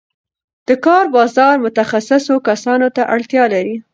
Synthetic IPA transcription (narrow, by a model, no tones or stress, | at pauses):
d̪̥əkɑɾbɑzɑɾmʊt̪axasɪsokasɑnot̪aʔaɽt̪jɑlaɾi